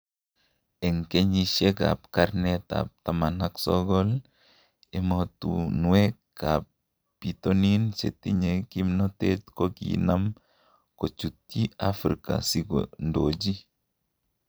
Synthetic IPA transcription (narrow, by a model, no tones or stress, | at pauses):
ɛŋkeɲiʃeka̰pkaɾnɛt̪a̰p̚t̪amanaksɔɡɔl | ɛmɔt̪ṵnuwekapː | it̪oninsḛt̪iɲekimnɔt̪etkokḭnam | kot͡ʃut̪iafɾika̰siɡo̰ndod͡ʒi